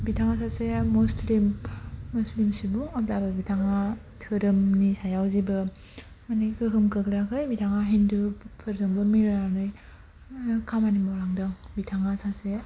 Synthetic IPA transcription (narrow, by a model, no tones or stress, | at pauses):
bitʰaŋasʰasemuslimːuslimsibuaplabɐbitʰaŋa | tʰɯɾɯmnisajawzibɯ | manikɯɦɯmkɯklakʰɯjbitʰaŋaɦindupʰɯɾzaŋbɯmiɾanɯj | kʰamanimawɾaŋdɯŋbitʰaŋasʰase